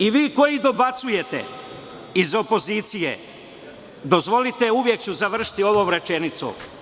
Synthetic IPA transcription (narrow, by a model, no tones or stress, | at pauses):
iʋiːko̞jid̪o̞bat̪suje̞t̪e̞̰ | izo̞po̞ziːt̪sijḛ | d̪o̞zʋo̞lit̪e̞uʋje̞k̚t͡ɕuzaʋr̩ʃi̥t̪io̞ʋo̞ːmɾe̞t͡ʃenit̪so̰